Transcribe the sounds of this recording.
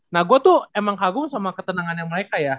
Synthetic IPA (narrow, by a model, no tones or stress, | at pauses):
nahɡuat̪uemaŋkaɡʊŋsamakət̪ənaŋanjaŋməɾekaja